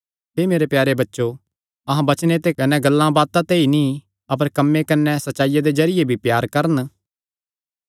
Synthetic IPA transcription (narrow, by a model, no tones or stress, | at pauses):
ɦeːmeːɾepjaːɾebɐtːʃo | ɐɦãbɐt͡ʃnet̪ekɐnɛɡɐlːãbaːt̪ãt̪einĩ | ɐp̬əɾkɐmːekɐnːɛsɐtːʃaːɪjad̪ed͡ʒɐɾɪjebʱipjaːɾkɐɾən